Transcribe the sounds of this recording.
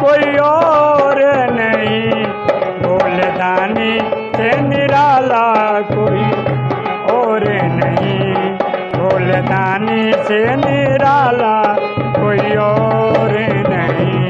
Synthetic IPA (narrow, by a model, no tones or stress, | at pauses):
koːiɔːɾɛnəɦĩ | bʱoːled̪aːniseniɾaːlaːkoːi | ɔːɾɛnəɦĩ | boːled̪aːniseniɾaːlaː | koːiɔɾɛnəɦĩ